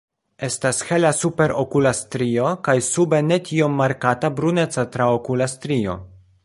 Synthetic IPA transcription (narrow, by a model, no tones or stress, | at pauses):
e̞stashe̞lasupe̞ɾʔokulastɾio̞kajsube̞ne̞tiomːaɾkatabɾune̞t͡satɾaokulastɾio̞̰